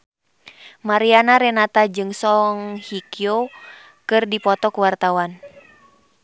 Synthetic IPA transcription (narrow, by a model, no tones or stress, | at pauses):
maɾianaɾɛnat̪ad͡ʒɨŋsɔŋhikio | kɨrdipɔt̪ɔkuwart̪awan